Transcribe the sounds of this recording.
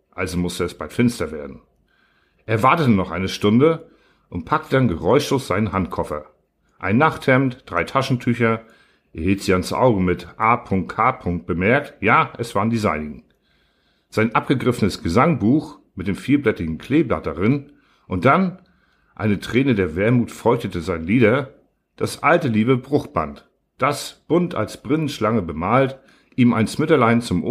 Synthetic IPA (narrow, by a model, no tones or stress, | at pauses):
ʔalzomʊstəɛsb̥altfɪnstɐveːɐdn̩ | ʔeːɐvaɐtətənɔχʔa̰ɪnəʃtʊndə | ʔʊntpʰak̚tʰəd̥anɡəʁɔʏʃloːsz̥aɪnənɦantkʰɔfɐ̰ | ʔa̰ɪnːaχthɛmtd̥ʁaɪtʰaʃn̩tʰyçɐ | ʔeɐhiːltz̥iːansʔa̰ʊɡəmɪtʔaːpʰʊŋk̚tkʰaːpʰʊŋk̚t̚b̥əmɛɐk̚tjaːʔɛsv̥aːʁndizaɪnɪŋ | z̥aɪnʔap̚ɡ̥əɡʁɪfənəsɡ̥əzaŋbuːxmɪt̚d̥eːmfiːɐblɛtɪɡŋ̩kʰl̥eːbla̰t̚daʁɪn | ʔʊnt̚d̥an | ʔa̰ɪnətʁ̥ɛːnədeːɐvɛːɐmuːtfɔʏçtətəzaɪnliːɾɐ | d̥asʔaltəliːβəbʁʊχb̥a̰nt | d̥asb̥ʊntʰa̰lsb̥ʁɪnənʃlaŋəbəmaːlt | ʔiːma̰ɪnsmɪtɐlaɪnt͡sʊmʔo